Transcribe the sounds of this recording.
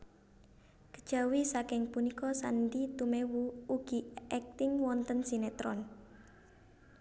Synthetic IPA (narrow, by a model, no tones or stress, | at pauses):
kə̥d̥ʒ̥a̤wisakɪŋpunikɔsanɖit̪umewuuɡ̥iɛk̚t̪ɪŋwɔnt̪ənsinet̪ɾɔn